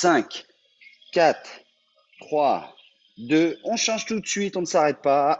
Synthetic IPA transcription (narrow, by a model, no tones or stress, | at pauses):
sɛ̃kʲ | kːat̪χ | t̪χwa | d̪øɔ̃ʃɑ̃ʒt̪ut̪sɥit̪ɔ̃nəsaʁɛt̪̚pa